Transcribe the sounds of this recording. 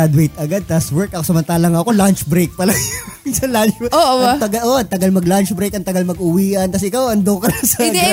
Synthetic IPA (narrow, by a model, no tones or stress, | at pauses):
ɐd̪wejt̪ɐɡad̪̚t̪ɐswɛɹkʔɐkosɐmɐnt̪aːlɐŋɐʔɐko̞lant͡ʃbɾejk̚pɐlɐssɐlant͡ʃoɐt̪ɐɡɐʔoɐt̪ɐɡɐlmɐɡlant͡ʃbɾejkɐŋt̪ɐɡɐlmɐɡ̚ʔʊwiːʔɐnkɐs̬ɛʔɪkawʔɐnd̪okɐnɐsɐɐɐd̪ɡ